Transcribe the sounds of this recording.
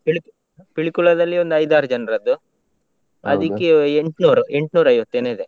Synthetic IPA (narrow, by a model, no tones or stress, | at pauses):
piɭik | piɭikuɭɐd̪ɐlːio̞nd̪ɐjd̪aːɾud͡ʒɐnɐɾɐd̪ːu | ɐ̰d̪ikːeeɳʈnuːɾue̞ɳʈnuːɾɐjʋɐt̪ːeːneid̪e̞